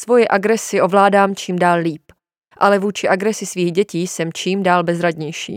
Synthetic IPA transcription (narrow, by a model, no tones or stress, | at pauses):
svo̞jɛʔaɡɾɛsɪʔo̞vlaːdaːmt͡ʃiːmdaːlliːp | ʔalɛvuːt͡ʃɪʔaɡɾɛsɪsviːɣɟɛciːsɛmt͡ʃiːmdaːlbɛzɾaɟɲɛjʃḭː